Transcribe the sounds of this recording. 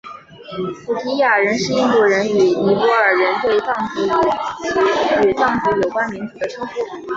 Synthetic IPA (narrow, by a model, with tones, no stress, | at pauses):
pu˨˩t̪ʰi˧˥ja˨˩ɻə˧˥nʂɻ̩˥˧i˥˧ŋku˧˥˩ɻə˧˥ny˨˩ni˧˥pɔ˧˥ə˞˨˩ɻə˧˥nt̪we˥˧ɪt̪ɑ˥˩ŋt͡si˧˥˧ | y˨˩t̪ɑ˥˩ŋfu˧˥jo˨˩ʊkwa˥nmi˧˥ŋt͡su˧˥d̪ə˦ʈ͡ʂʰu˥fu˥˩